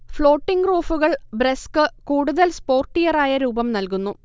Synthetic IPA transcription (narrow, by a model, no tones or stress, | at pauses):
fɭo̞ːʈːiŋɡroːfuɣɐɭbreskɨkuːɽuðɐlspo̞ːrʈːijɐraːjɐɾuːbɐmnɐlkunːu